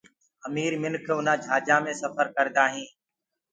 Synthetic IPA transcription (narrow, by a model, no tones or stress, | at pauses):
əmiːɾmɪnkʰʊn̤ãːd͡ʒʱaːd͡ʒãːmẽːsəfəɾkəɾd̪aːɦĩː